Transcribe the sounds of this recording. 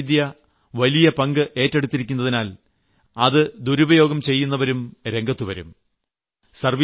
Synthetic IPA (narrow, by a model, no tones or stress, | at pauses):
d̪jɐ | ʋɐlijɐpɐŋɡɨʔe̞ːtːeɽut̪ːiɾikʲːunːɐðinaːl | ɐðɨd̪uɾubɐjo̞ːɡɐmt͡ɕe̞jːunːɐʋɐɾumɾe̞ŋɡɐt̪ːuʋɐɾṵm | sɐrʋi